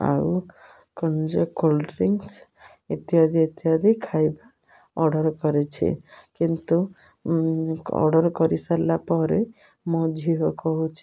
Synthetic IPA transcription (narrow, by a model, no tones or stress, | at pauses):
a̰u | kɔnd͡ʒɔkolɖɾiŋs | et̪iad̪iet̪iɦad̪ʱikʰajba | ɔɾɖɔɾkɔɾet͡ʃʰḭkint̪u | ɔ̰ɖɔɾkɔɾisalapɔɾe | mɔd͡ʒʱiɦɔkɔɦut͡ʃʰi̥